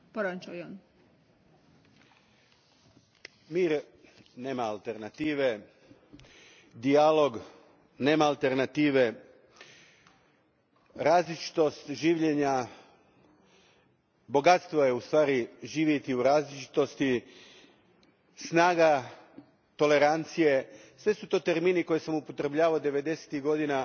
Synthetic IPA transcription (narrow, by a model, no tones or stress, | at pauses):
poɾat͡ʃujon | miːɾ | ne̞ːmaːlˠt̪eɾnat̪iːʋe̞ | d̪ialo̞ɡ | ne̞ːmaːlˠt̪eɾnat̪iːʋe̞ | ɾaːzlit͡ʃi̥t̪o̞st̪ʒiːʋʎeɲa | bo̞ɡat̪st̪ʋojeust̪ʋaːɾiʒiːʋjet̪iuɾaːzlit͡ʃi̥t̪o̞st̪i | snaːɡa | t̪o̞le̞ɾant̪sije̞sʋe̞sut̪o̞ːt̪e̞ɾmiːniko̞jesamupo̞t̪ɾebʎaːʋaod̪e̞ʋe̞d̪e̞se̥t̪iɣɡo̞d̪ina